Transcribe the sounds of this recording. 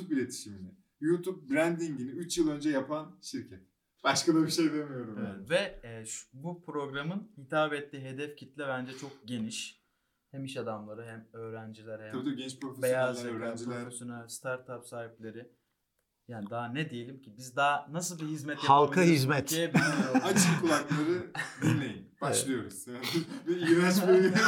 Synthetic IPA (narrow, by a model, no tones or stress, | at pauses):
up̚bilʲet̪ʰi̥ʃiminɪ | jut̪ʰup̚bɾænd̪iɲɟiniyt͡ʃjɯlˠø̞nd͡ʒɛjapʰanʃiɾcʰɛt̪̚ | b̥aʃkad̪abiʃe̞jd̪emijo̞ɾumevɛt̪vɛɛʃbupʰɾo̞ɡɾamɯnhit̪ʰaːbɛt̪ʰːiːɦe̞d̪ɛfcʰit̪lʲɛbænd͡ʒɛt͡ʃʰo̞k̚ɟe̞niʃ | hæmiʃad̪amlˠaɾɯɦæmø̞ːɾænd͡ʒilʲæɾhæait̪aiɟɛnt͡ʃpɾofebejjazeɾæd͡ʒilɾofesonast̪ʰaɾt̪ʰapsaːhiplʲe̞ɾɪ | jaːnid̪aanɛd̪ejelʲimcʰibizd̪aːnasɯlˠbiɦizmɛt̪jahalˠkʰahizmɛt̪ebiat͡ʃʰɯkʰulˠaklˠaɾɯb̪ilʲmejinbaʃlˠɯjo̞ɾuz̥jaːnbiiɾat͡ʃbojlʲi